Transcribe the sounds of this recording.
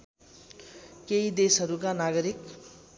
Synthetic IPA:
keid̪esɦʌɾukanaɡʌɾik

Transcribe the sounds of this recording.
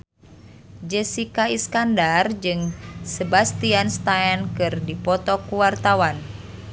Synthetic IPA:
d͡ʒəsikaiskandard͡ʒɨŋsəbast̪ianst̪aɛnkɨrdipɔt̪ɔkuwart̪awan

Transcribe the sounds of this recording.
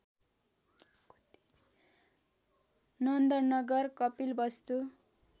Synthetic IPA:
nʌnd̪ʌrnʌɡʌrkʌpilbʌst̪u

